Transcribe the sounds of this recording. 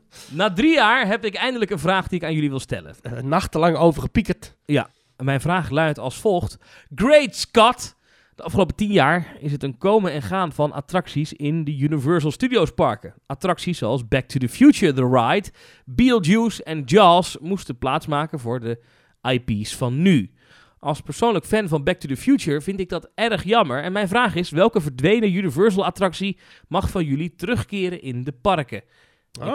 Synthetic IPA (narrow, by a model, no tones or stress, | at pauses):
naːdrijaːɹɦɛpɪkɛjndələkənvraːχdiɪkaːnjɵliʋɪlˠstɛ̰lə̰nnɑχtəlɑŋowvəχəpikət | ja̰ | mɛjnvraːχlœɥtɑlˠsfolˠχt | ɡrejtskɑt | d̥əʔɑfχəlowpətinjaːɹɪs̬ɦətənkowməɛnχaːnvɑnʔa̰trɑksisɪndəjynivɛɹsəlˠstydiowspɑɹkənatrɑksissoɑlˠsbɛk̚tʰudəfjut͡ʃəɹðəɹajt | bilˠusɛnd͡ʒɑsmustənplaːtsmaːkənvʊːɹdə | ʔajpisfɑnːy | ʔɑlˠspəɹsownləkfɛnvɑnbɛk̚tudəfjut͡ʃəɹvɪntɪɡ̚dɑtɛɹəχjɑməɹɛnmɛjnvraːχɪsʋɛlˠkəvəɹdʋejnəjynivɜɹs̬əlˠatrɑksi | mɑχfɑnjɵlitərɵχkɪːɾənʔɪndəpɑrkə